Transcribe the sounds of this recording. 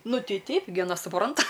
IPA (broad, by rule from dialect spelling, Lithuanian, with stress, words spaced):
ˈnʊ ˈtʲɛɪ ˈtʲɛɪp ɡʲɪ ɐˈnɐ sʊˈprɐntɐ